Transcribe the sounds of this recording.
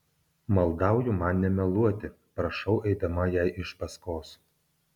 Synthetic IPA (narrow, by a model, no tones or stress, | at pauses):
mɐlˠˑd̪ɑˑʊjʊmɑnnʲɛmʲɛlˠuɔt̪ʲɪ | pɾɐʃɐʊʔɛɪd̪ɐmɐjæɪʔɪʃpɐskoːs